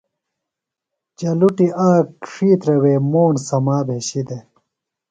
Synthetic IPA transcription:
d͡ʑɐluʈiʔaːkːʂiːt̪ɾɐweːmoːnsɐmaːbʱeɕid̪e

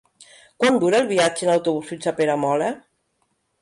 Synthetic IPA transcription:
kwand̪uɾelˠβiad͡ʒenawt̪uβusit͡ʃapeɾamɔla

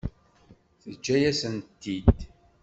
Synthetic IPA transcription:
θəd͡ʒːæjæsənt̪ːid̪

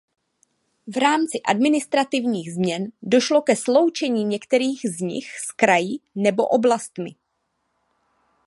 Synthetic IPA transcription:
vɾaːmt͡sɪʔadmɪnɪst̪ɾat̪ɪvɲiːɣzmɲɛndo̞ʃlo̞kɛslo̞wt͡ʃɛɲiːɲɛkt̪ɛɾiːxzɲɪ̰xskɾajɪnɛbo̞̰ʔo̞blast̪mɪ̰

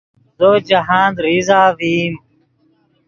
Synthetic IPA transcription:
zoːt͡ɕɐɦãːnd̪ɾiːzaːʋiːm

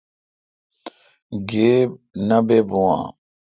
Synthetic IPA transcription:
ɡeːb̚nɐbebuwã̰ː

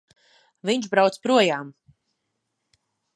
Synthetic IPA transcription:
viɲt͡ʃbɾawt̪spɾuɔjaːm

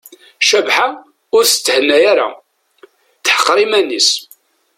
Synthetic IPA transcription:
ʃævħa | ʊɾst͡s̪ːəhənːæjaɾa̰ | θəħə̥qːɾimænːis

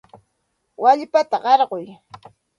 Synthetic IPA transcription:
waʎpat̪aɢɑɾɢʊj

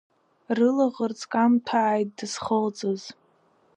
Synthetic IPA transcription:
rɨlaʁərt͡sʼkʼamtʰaʕːjt̚ʼdɨsχəlt͡sʼɨz

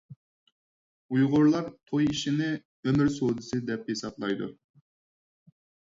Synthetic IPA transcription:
ujʁʊɾlˠɑɾt̪ʰojiʃinɪ | ømɪɾsod̪ɨsɨd̪ɛp̚jesɑp̪lˠɑjd̪ṵ

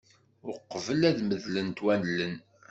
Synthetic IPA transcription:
ʊqːəvəlæðməðlənt̪wænlən

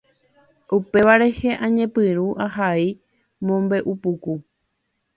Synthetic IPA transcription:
upe̞ʋaɾe̞he̞ʔãɲẽ̞pɨɾuʔaɦai | mõ̞mbe̞ʔupuku

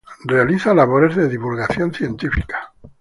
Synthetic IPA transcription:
rre̞aliθalaβo̞ɾe̞zðe̞ðiβulɣaθjo̞nθje̞nt̪ifikḁ

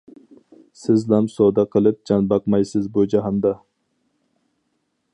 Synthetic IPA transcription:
sɪzlæmsod̪ɑqʰəlˠɨp̚d͡ʒɑnbɑqmɑjsɪzbud͡ʒɑɦɑnd̪ɑ

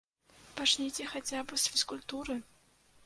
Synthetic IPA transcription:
pat͡ʂnʲejtʲɛxat͡sʲabɨsfʲɪskʊlʲt̪uɾɨ

